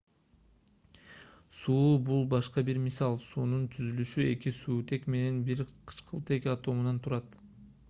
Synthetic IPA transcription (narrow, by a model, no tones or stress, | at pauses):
suːbulˠbɑʃqɑbiɾmisɑlˠsuːnunt̪ʰyzylyʃye̞kisuːt̪ʰe̞kme̞ne̞nbiɾqʰɯ̥t͡ʃqʰɯlˠt̪e̞kɑt̪o̞munɑnt̪ʰuɾɑt̪